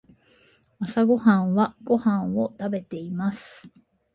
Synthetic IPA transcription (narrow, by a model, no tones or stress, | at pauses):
βasaɡo̞hãɰ̃βaɡ̥o̞hãɰ̃o̞t̪abe̞t̪e̞imasɨ̥